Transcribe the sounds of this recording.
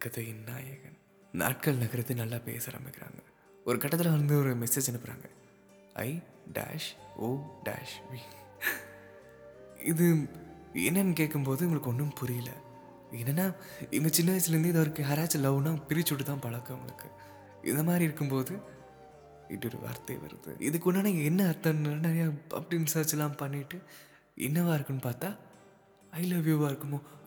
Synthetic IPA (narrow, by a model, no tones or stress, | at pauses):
kːɐt̪ːɐɪnːa̰ːjɐɣɐn | na̰ːʈ̚kɐɭnɐɣɐɾɐðːɯnɐlːaːpḛːsɐɾɐ̰mɪkːɪɾa̰ːŋɡɐ | ɔɾɯkɐʈːɐt̪ːɪlɐʋɐnd̪ɯɔɾɯmɛseːd͡ʒɛnɯpːɯɾa̰ːŋɡɐ | ɐ̰ɪ | ɖa̰ːʂoːɖa̰ːʂʋi | ɪðɯ | ɛ̰nːɛmkeːʈ̚kːɯmpoːðɯʊŋɡɐɭɯkːɔɳːɯmpʊɾɪjɪlɐ̰ | eːnːɛnːaːɪŋɡɐt͡ʃɪnːɐːɐsɪlɐɾɯnd̪ɯɛðɐːɐɾɯkːɯɦɐɾaːt͡ʃːɐlɐʋnãːpɪɾɪt͡ʃːʊʈːɯt̪ːãːpɐɭɐkːɯʊŋɡɐ̰ɭɯ̰kːɯ̥ | ʔɪ̰nd̪ɐmaːd̪ɾiɪɾɯkːɯmpoːðɯ | ɪ̰ʈːɔɾɯ̰ʋɐ̰ɾt̪ɐ̰ʋɐ̰ɾɯ̰ðɯ̰ʔɪ̰ðɯkːʊnːaːnɐɪŋɡɐɛnːɐɐɾt̪ːɐnɐnɐɾɐjaːɐ̰pːɐɽinsɐːt͡ʃːɛlːãːmpɐɳːɪʈːɯ | ʔɛ̰nːɐʋaːɪɾɯkːɯnːɯpaːɾt̪ãː | ɐɪlɐʋjuːʋaːɪɾɯkːɯmoː